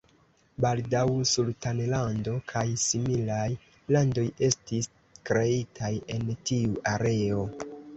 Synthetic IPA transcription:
baldawsultanlando̞kʰajsimilaj | lando̞je̞stis | kɾe̞itʰaje̞ntiuʔaɾe̞o̞

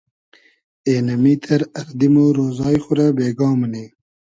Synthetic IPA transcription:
eːnɐmit̪ʰɐɾɐɾd̪imoɾoːzɑːjxʊɾabeːɡɑːmɐneː

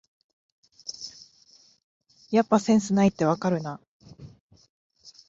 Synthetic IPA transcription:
japːasẽ̞ɰ̃sɨnait̪ːe̞βakaɾɯ̟na

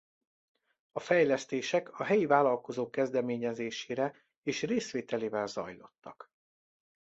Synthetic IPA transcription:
ɒfɛjlɛst̪eːʃɛkɒɦɛjivaːlɒlko̞zoːkːɛzd̪ɛmeːɲɛzeːʃeːɾɛ | eːʃreːsʋeːt̪ɛleːvɛlzɒ̰jlo̞̰t̪ːɒk

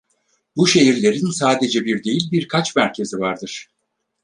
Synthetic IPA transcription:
buʃe̞ɦiɾlʲe̞ɾinsaːd̪e̞d͡ʒɛbiɾd̪e̞jilʲbiɾkʰat͡ʃmæɾcʰe̞zivaɾd̪ɯɾ̥

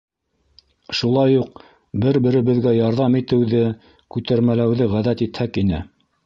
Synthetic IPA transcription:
ʃulˠɑjuq | bɘɾbɘ̆ɾɘ̆βɘ̆ðɡæjɑɾðɑmit̪ɘ̆wðɘ | kʉt̪æɾmælæwðɘʁæðæt̪it̪hækinɘ̰

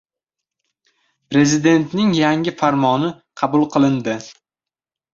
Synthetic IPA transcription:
pɾe̞zɪd̪e̞nt̪nɪŋjaŋɪfaɾmɒnɪ | qʰɑbʊlˠqʰɨlˠɪnd̪ɪ

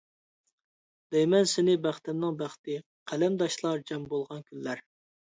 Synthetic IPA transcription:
d̪̥ɛjmɛnsɪnɪbæχt̪æmnɨŋbæχt̪ɪ | qʰælɛmd̪ɑʃlˠɑɾd͡ʒɛmbolˠʁɑnkʲʰynːæɾ

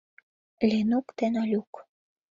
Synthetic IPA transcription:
lʲenukt̪enɑlʲuk

